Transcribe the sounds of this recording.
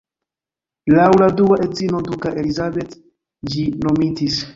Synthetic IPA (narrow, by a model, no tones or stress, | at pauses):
lawladuaʔe̞zinodukaʔelizabe̞t | d͡ʒino̞mitis